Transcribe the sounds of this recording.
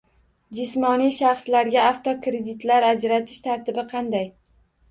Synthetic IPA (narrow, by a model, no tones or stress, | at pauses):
d͡ʒɪsmɒnijʃɑχslaɾɡʲaaft̪ʰɒkɾed̪ɪt̪laɾad͡ʒɾat̪ʰɪ̥ʃt̪ʰaɾt̪ʰɪbɪqʰɑnd̪aj